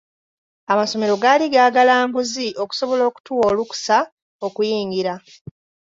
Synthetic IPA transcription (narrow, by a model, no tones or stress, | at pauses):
amaso̞me̞ɾo̞ɡaːliɡaːɡalaːŋɡuziʔo̞ku̥so̞βo̞lo̞ːku̥tuwo̞ːluku̥sa | o̞kujiːŋɡiɾa